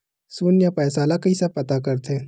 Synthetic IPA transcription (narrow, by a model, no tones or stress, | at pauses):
suːnjapɛːsaːlakisapɐt̪akɐɾt̪ʰẽ